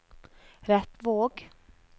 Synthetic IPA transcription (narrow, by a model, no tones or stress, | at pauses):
ɾɛt̪ːvoːɡ